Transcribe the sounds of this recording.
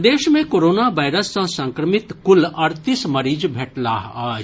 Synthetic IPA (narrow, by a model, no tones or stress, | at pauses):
d̪eːʃmẽkoːɾoːnaʋaːɪɾəsːãsɐ̃ŋkɾəmɪt̪kʊlɐɾt̪ɪsmɐɾiːd͡ʒbʱɛʈlaːɦaːd͡ʒ